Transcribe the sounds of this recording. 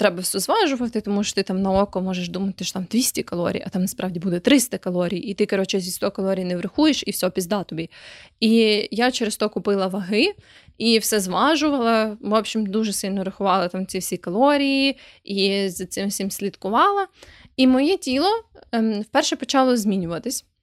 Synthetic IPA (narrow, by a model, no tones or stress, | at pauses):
t̪ɾɛbɐwsʲɔzʋɑʒʊʋɐt̪ɪt̪ɔmuʃɔ̥t̪ɪt̪ɑmnɐɔkɔmɔʒeʃd̪umɐt̪ɪʃɔ̥t̪ɑmd̪ʲʋʲisʲtʲikɐlˠɔ̰ɾʲḭjʔɐt̪ɑmnɐspɾʔɑʋdʲibud̪ɛt̪ɾɪst̪ɐkɐlˠɔɾʲijit̪ɪkɔɾɔt͡ʃɛzʲist̪ɔkɐlˠɔɾʲijnɛʋɾɪxujeʃiwsʲɦɔpʲizd̪ɑt̪ɔbʲiijat͡ʃeɾest̪ɔkʊpɪlˠɐʋɐɦɪ | ifsʲɛzʋɑʒʊʋɐlˠɐʋɔpɕimd̪uʒɛsɪlʲnɔɾɐxʊʋɑlˠɐt̪ɑmt͡sʲifsʲikɐlˠɔɾʲiji | izɐt̪sɪmsʲɪmsʲlʲit̪kʊʋɑlˠɐimɔjɛtʲilˠɔfpɛrʃɛpɔt͡ʃɑlˠɔzʲmʲinʲʊʋɐt̪ɪsʲ